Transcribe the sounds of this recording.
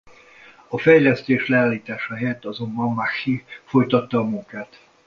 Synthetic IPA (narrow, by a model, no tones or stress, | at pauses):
ɒfɛjlɛst̪eːʃlɛaːlːiːt̪aːʃɒɦɛjɛt̪ːɒzo̞mbɒmmaxifo̞jt̪ɒt̪ːɒːmuŋkaːt̪